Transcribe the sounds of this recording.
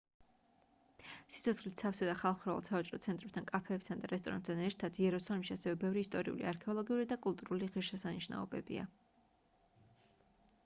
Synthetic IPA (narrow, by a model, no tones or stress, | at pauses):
si̥t̪ʰɔt̪sχlit̪safsad̪aχalˠχpʰɾavɛlˠsavat͡ʃʼɾɔt̪sʰɛnt̪ʼɾɛpt̪ʰankʼapʰɛːpt̪ʰand̪aɾɛs̬t̪ʼɔɾa̰np̚t̪ʰanɛɾt̪ʰad̪̥iɛɾɔsalimʃiasɛvɛbɛvɾiːst̪ʼɔɾḭṵlḭaɾkʰɛɔlˠɔɡiuɾid̪akʼulˠt̪ʼuɾuliʁiɾʃɛsaniʃna̰ɔbɛ̰bḭa̰